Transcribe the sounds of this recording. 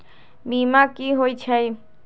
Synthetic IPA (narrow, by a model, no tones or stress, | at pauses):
bimakiɦoit͡ʃʰəj